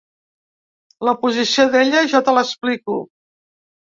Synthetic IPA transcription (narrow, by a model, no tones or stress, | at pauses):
ləpuzisioðeʎəʒat̪ələspliku